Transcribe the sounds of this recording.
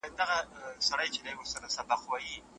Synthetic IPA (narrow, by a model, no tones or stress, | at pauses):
d̪aɣasaɽəjt͡ʃed̪awʊɾsaɾasabaqwaji